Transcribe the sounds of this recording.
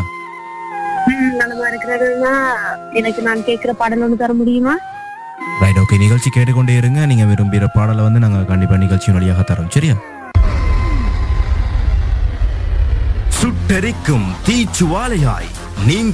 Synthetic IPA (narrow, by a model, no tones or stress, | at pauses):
nɐŋːɐmaɾɐkːɪɾɐðɐnːaː | ɛnɐkːɨnaːnkeːʈ̚kɪrɐpaɽɐloːɳːɖɯt̪ɐɾɐmʊɽɪjumaː | rɐjɖoːkːenɪɣɐɭt͡ʃikːeːʈːɯkːoɳɖeɐɾɯŋɡɐniːŋːɐʋeɾumbiɾɐpːaːɽɐlʋɐnd̪ɨnɐŋːɐɭkaːɳɖipːɐːnɪɣɐɭt͡ʃijumʋɐɭɪjaːɣɐt̪ɐɾɐmsɐɾijaː | sʊʈːɐɾikːɯmt̪iːt͡ʃːuʋaːlɐja̰ːj | niːŋ